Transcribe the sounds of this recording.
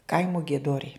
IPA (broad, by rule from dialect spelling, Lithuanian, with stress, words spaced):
ˈkɐɪmʊ ɡʲiɛˈdoːrʲɛɪ